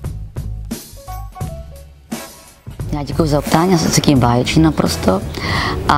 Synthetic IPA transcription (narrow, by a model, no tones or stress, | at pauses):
jaːɟɛkujuzaopt̪aːɲiasɛsɛciːmbaːjɛt͡ʃɲɛnapɾost̪oʔa